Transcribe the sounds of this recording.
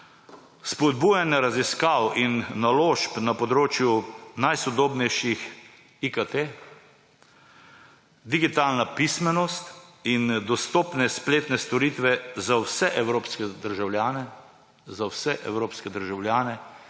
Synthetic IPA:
spɔd̪̚buːjanaɾaziskawinːaloːʃpnapɔd̪ɾoːt͡ʃjunajsɔd̪oːbnɛjʃix | ikat̪e | d̪iɡit̪aːlnapismɛnɔst̪ind̪ɔst̪ɔːpnɛspleːt̪nɛst̪ɔɾit̪ʋɛzawsɛʔɛwɾoːpskɛd̪əɾʒawljaːnɛ | zawsɛʔɛwɾoːpskɛd̪əɾʒawljaːnɛ

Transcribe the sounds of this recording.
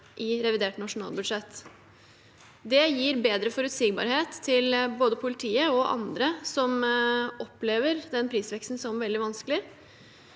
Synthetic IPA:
ʔɪɾɛʋɪd̪eːʈnɑʂʊnɑ̰ːlbʉd̪ʂɛt̪ː | d̪ɛjiːɾbeːd̪ɾəfɔɾʉt̪siːɡbɑ̰ːɾheːt̪ʰːɪlboːd̪əpʰʊlɪt̪ʰiːəɔʔɑ̰nd̪ɾəsɔmʔɔpːleːʋəɾd̪ɛnpʰɾiːsʋɛkst̪n̩sɔmʋɛld̪ɪʋɑnsklɪ

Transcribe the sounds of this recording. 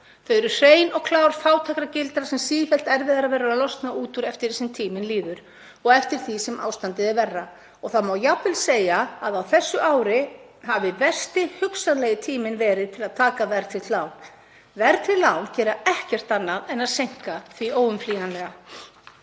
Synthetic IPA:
θœɥɾʏr̥eːjnɔɣkʰlaːwɾ̥faːwt̪ʰakɾacɪlt̪ɾasɛmsiːðɪfɛl̥t̪ɛɾvɪðaɾavɛːɾaɾaðlɔst̪nauːt̪ʏɾɛft̪ɪɾsɛmt̪ʰiːmɪnliːðʏɾ̥ | ɔɣɛft̪ɪɾ̥θisɛmʔa̰ːwst̪ant̪ɪðɪvɛrːa | ɔɣθaðmaːwjapɪlseːjaːðawθɛsːʏʔaːwɾɪ | ɦavɪvɛr̥st̪ɪhʏksanlɛjɪt̪ʰiːmɪnvɛːɾɪðt̪ʰɪlaðt̪ʰaːkavɛɾt̪ʰɪt̪laːwn | vɛɾt̪ʰɪlaːwncɛːɾaɛhcɛr̥t̪anːaðɛnaðsejŋ̥kaθvioːwʏmfliːɣanlɛɣa

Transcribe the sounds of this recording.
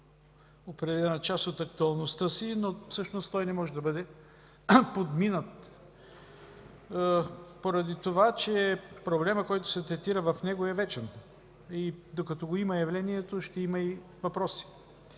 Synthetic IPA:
opɾɛd̪ɛlɛnət͡ʃast̪ot̪ɐk̚t̪uɐlˠnost̪əsinofsɤʃnost̪ɔjnɛmɔʒɛd̪ɐbɤd̪ɛ | pod̪minət̪ | poɾɐd̪it̪ovat͡ʃɛpɾoblɛməkɔjt̪ʊ̥sɛt̪ɾɛt̪iɾəvɐfnɛɡoɛvɛt͡ʃɛn | id̪okɐt̪ɔɡoimɐjɐvlɛniɛt̪oʃt̪ɛimɐi | vɐpɾɔsi̥

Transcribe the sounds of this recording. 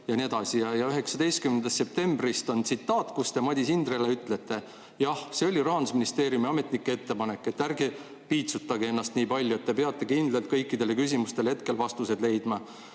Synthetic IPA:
jɑned̪ɑsijɑjɑyɦe̞ksɑd̪ejst̪kymːend̪̥ɑst̪ːsep̚t̪e̞mbrist̪o̞nt̪sit̪ːˑɑːt̪kust̪e̞mɑd̪ʲisind̪̥ɾreleyt̪ːˑle̞t̪ːˑe̞ | jɑhseo̞lʲiɾɑɦɑnd̪usminist̪e̞ːɾjumiɑme̞t̪ˑnikːee̞t̪ːe̞pɑne̞kːˑe̞t̪ːærɡe | piːt̪sut̪ːˑɑɡee̞nːɑst̪niːpɑlʲjue̞t̪ːe̞pe̞ɑt̪ːˑe̞kind̪̥lelt̪̚kɤ̞jkːid̪e̞lekys̬ʲimust̪e̞lhe̞t̪̚ke̞lvɑst̪use̞d̪lejd̪mɑ

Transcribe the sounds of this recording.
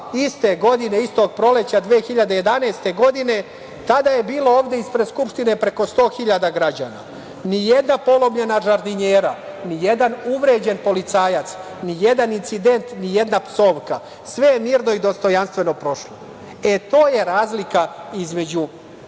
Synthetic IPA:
ist̪e̞ɡo̞d̪ine̞ist̪o̞ɡ̚pɾo̞le̞t͡ɕad̪ʋeːxiʎad̪eje̞d̪aneːst̪e̞ɡo̞d̪ine̞ | t̪ad̪aje̞biːlo̞oːʋd̪e̞ispɾeskupʃt̪ine̞pɾe̞ko̞st̪o̞ːxiʎad̪aɡɾad͡ʑa̰ːna̰ | nije̞d̪napo̞lˠo̞mʎenaʒaɾd̪iɲeːɾa | nije̞d̪anuʋɾe̞ːd͡ʑe̞npo̞lit̪saːjat̪s | nijed̪anint̪sid̪e̞nt̪nije̞d̪napso̞ːʋka | sʋe̞jemiːɾno̞id̪o̞st̪o̞janst̪ʋe̞no̞pɾo̞ʃlˠo | e̞t̪o̞ːje̞ɾaːzlikaizme̞d͡ʑu

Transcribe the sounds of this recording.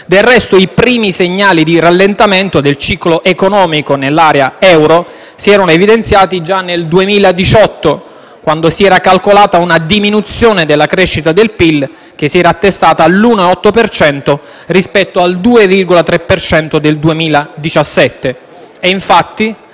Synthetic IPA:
d̪elrɛst̪oipɾiːmiseɲːaːlid̪iralːent̪ament̪od̪elt͡ʃiːkloʔekonɔːmikonelːaːɾeaɛwɾo | siɛːɾanoevid̪ent̪sjaːt̪id͡ʒanːeld̪uemiːlad̪it͡ʃɔt̪ːo | kwand̪osiɛːɾakalkolaːt̪aunad̪iminut̪sːjoːned̪elːakɾeʃːit̪ad̪elpil | k̟esiɛːɾaːt̪ːest̪aːt̪aːlːuːnoɔt̪ːopert͡ʃɛnt̪o | rispɛt̪ːoald̪uːevirɡolat̪ɾepːert͡ʃɛnt̪od̪eld̪uemiːlad̪it͡ʃasːɛt̪ːe | ɛiɱfat̪ːi

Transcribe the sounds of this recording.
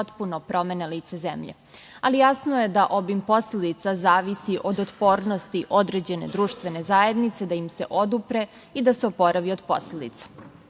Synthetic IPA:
ot̪punopɾo̞me̞neliːt̪sezḛmʎḛ | alijasnojed̪aʔobimpo̞sled̪it̪sazaːʋisiʔo̞d̪ot̪po̞ːɾno̞st̪iʔo̞d̪ɾe̞d͡ʑe̞ne̞̰d̪ɾuːʃt̪ʋe̞ne̞zaje̞d̪nit̪se̞d̪aimse̞̰ʔo̞d̪upɾe̞ | id̪aseopo̞ɾaʋiod̪po̞̰sled̪ḭt̪sḁ

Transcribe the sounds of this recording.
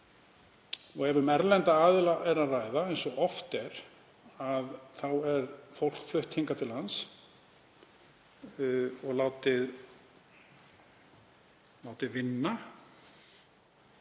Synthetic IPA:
ɔɣɛvʏmɛɾlɛnt̪aaːðɪlaʔɛɾaðraːjðaejnsɔɔft̪ɛɾ | aðθawɛɾfowl̥kflʏht̪hiŋkat̪ʰɪlhans | ɔɣlaːwt̪ɪð | laːwt̪ɪvɪnːa

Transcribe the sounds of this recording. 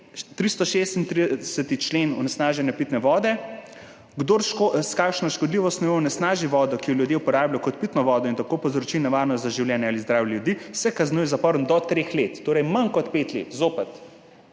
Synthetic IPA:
t̪ɾist̪ɔʃest̪int̪ɾisɛt̪it͡ʃleːnɔ̰nɛsnaːʒɛnjapit̪nɛʋɔːd̪ɛ | ɡd̪oɾʃkoskakʃnɔʃkɔd̪liʋɔst̪nɔjɔɔnɛsnaːʒiʋɔːd̪ɔkijɔljud̪jeupɔɾaːbjajɔkɔt̪̚pit̪nɔʋɔːd̪ɔint̪akopɔwzɾɔt͡ʃinɛʋaːɾnɔst̪zaʒiwljɛːnjɛalizd̪ɾaːwjɛljud̪isɛkaznujɛzapɔɾənd̪ɔt̪ɾeːxlet̪ːoːɾɛjmɐnkɔt̪pet̪lḛːt̪zoːpɐt̪

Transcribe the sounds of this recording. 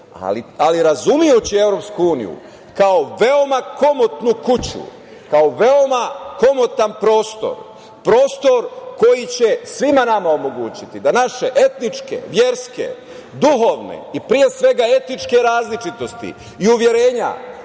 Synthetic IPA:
a̰lialiɾazumijut͡ɕie̞vɾo̞pskuuːnḭjṵ | kao̞ʋe̞o̞mako̞mot̪nukut͡ɕṵ | kaoʋe̞o̞mako̞mo̞t̪anpɾo̞ːst̪o̞̰ɾ | pɾo̞ːst̪o̞ɾko̞jit͡ɕe̞sʋimanamao̞mo̞ɡuːt͡ɕit̪id̪anaʃe̞ʔe̞t̪nit͡ʃke̞̰ʋjeɾske̞̰ | d̪uɦo̞ʋnḛipɾije̞sʋe̞ɡae̞t̪nit͡ʃke̞ɾaːzlit͡ʃit̪o̞st̪ḭ | iuʋje̞ɾe̞ːɲa̰

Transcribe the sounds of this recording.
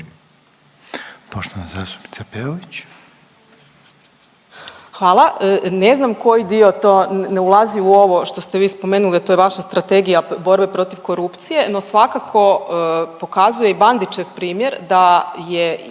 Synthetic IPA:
poʃt̪oʋanazaːst̪u̥pni̥t̪sapeoʋit͡ɕ | xʋaːlˠaʔəneznamko̞jid̪iot̪o̞ːneulˠaziuo̞ʋo̞ʃt̪o̞st̪eʋiːspome̞ːnuliat̪ojeʋaʃast̪ɾat̪e̞ɡijabo̞ɾbe̞pɾo̞t̪iʋko̞ɾupt̪sije̞no̞sʋakakʰo̞po̞kazuje̞iband̪it͡ʃe̞ʋpɾiːmje̞ɾd̪aje

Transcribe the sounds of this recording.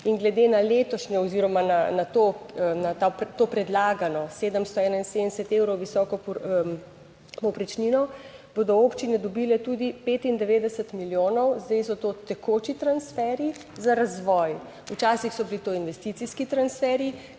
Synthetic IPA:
inɡlɛd̪enaleːt̪ɔʃɲɛɔziɾɔmananat̪onat̪apt̪oːpɾɛd̪laːɡanɔseːd̪əmst̪ɔɛːnainsed̪ənɛsɛt̪ewɾɔwʋisɔːkɔ | pɔpɾɛt͡ʃninɔb̥od̪ɔoːpt͡ʃinɛd̪ɔbilɛt̪uːd̪ipeːt̪ind̪ɛʋeːd̪ɛsət̪miljoːnɔwzd̪ɛjsɔt̪ot̪ɛkʰot͡ʃit̪ɾansfɛɾi | zaɾazʋɔːj | ut͡ʃaːsixsɔbilit̪oinʋɛst̪it̪siskit̪ɾansfɛɾi

